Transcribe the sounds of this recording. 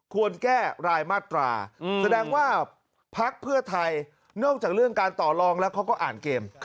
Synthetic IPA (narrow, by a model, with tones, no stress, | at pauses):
kʰu˧ənkɛː˥˩ɾaː˧jmaː˥˩t̪ɾa̰ː˧sa˧dɛː˧ŋwaː˥˩ | pʰa˦˥k̚pʰɯ˥˩ɐt̪ʰa˧j | nɔ˥˩ŋt͡ɕaː˨˩k̚ɾɯ˥˩əŋkaː˧nt̪ɔː˨˩lɔː˧ŋlɛː˦˥wkʰa˦˥wkɔː˥˩ʔa̰ː˨˩nkeː˧m